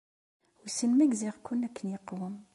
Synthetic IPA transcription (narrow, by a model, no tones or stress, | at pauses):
wisənmæɡziʁkʊnːækːənjəqːwəm